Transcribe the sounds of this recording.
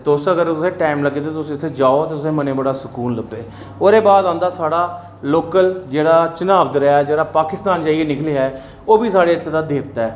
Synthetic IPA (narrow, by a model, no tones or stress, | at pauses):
t̪oʊsəɡəɾt̪ʊsẽːʈaːmləɡːeːt̪eːt̪ʊsĩːɪt̪ʰːeːd͡ʒaːoːt̪eːt̪ʊsẽːmənẽːbəɽaːsəkuːnləbeː | oːɾeːbaːd̪ãːnd̪aːsaːɽaː | loːkəld͡ʒeːɽaːt͡ʃənaːbd̪əɾaːɛːd͡ʒeːɽaːpaːkɪst̪aːnd͡ʒaːieːnɪkleːaːɛː | oːbiːsaːɽeːɪt̪ʰːeːd̪aːd̪eːpt̪aːɛː